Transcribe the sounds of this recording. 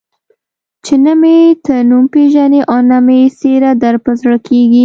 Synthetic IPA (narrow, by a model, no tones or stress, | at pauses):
t͡ʃenəmet̪ənumpeʒaneʔanameseɾad̪aɾpazɽəkʰeɡi